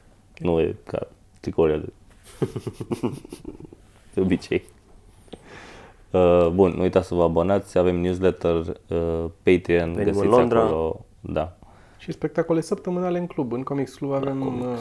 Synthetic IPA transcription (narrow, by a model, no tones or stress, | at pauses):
nuḛka̰ | t̪ikoɾial | d̪̥eo̞bit͡ʃe̞j | əbunnṵujt̪at̪səvəabo̞nat̪sʲave̞mnʲjus̬let̪ərəpejt̪ɾianɡəsilakd̪ɾolo | d̪a | ʃispek̚t̪akolesəpt̪əmɨnaleɨnklubɨŋkomiksklubavem